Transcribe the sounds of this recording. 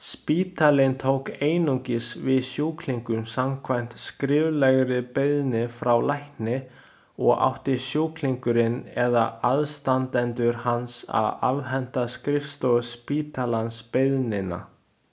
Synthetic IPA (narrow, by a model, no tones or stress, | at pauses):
spiːt̪ʰalɪnt̪ʰowkeːjnuŋcɪsvɪðsjowkʰliŋkʏmsamkʰvajmn̥t̪skɾɪːvlɛɣɾɪpeðnɪfɾawlajhknɪ | ɔɣa̰wht̪ɪsjowkʰliŋkʏɾɪnɛðaaðst̪ant̪ɛnt̪ʏɾ̥hansa̰ða̰vɦɛn̥t̪askɾɪfst̪ɔspiːt̪alanspeðnɪna̰